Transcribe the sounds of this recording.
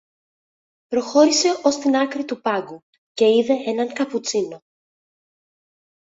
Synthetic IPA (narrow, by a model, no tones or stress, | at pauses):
pɾo̞xo̞ɾise̞o̞st̪inɐkɾit̪upɐɡu | ce̞iðe̞ʔe̞nɐŋkɐput͡sino̞